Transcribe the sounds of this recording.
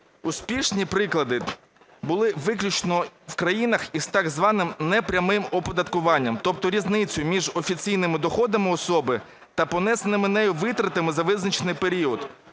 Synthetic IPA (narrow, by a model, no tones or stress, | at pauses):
ʊspʲiʃnʲipɾɪklˠɐd̪ɪ | bʊlˠɪʋɪklʲʊt͡ʃnɔwkɾɐjinɐxiz̥t̪ɑɡzʋɑnɪmnɛpɾʲɐmɪmɔpɔd̪ɐt̪kʊʋɑnʲːɐmt̪ɔp̚t̪ɔɾʲiznɪt͡sʲʊjʊmʲiʒɔfʲit͡sʲijnɪmɪd̪ɔxɔd̪ɐmɪɔsɔbɪ | t̪ɐpɔnɛsenɪmɪnɛjʊʋɪt̪ɾɐt̪ɪmɪzɐʋɪznɐt͡ʃenɪjpe̞ɾʲiɔd̪